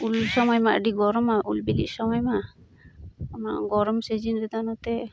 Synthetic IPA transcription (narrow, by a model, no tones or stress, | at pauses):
ulsɔmɔjmaʔɖiɡɔɾɔmaʔulbilḭʔsɔmɔjma | ma̰ʔɡɔɾɔmsɛd͡ʒinɾɛd̪anat̪ɛ